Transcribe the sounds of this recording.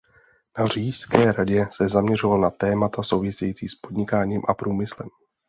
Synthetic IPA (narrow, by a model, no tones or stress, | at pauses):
nar̝iːskɛːɾaɟɛsɛzamɲɛrovalnat̪ɛːmat̪aso̞wvɪsɛjit͡siːspo̞dɲɪkaːɲiːmʔapɾuːmɪslɛm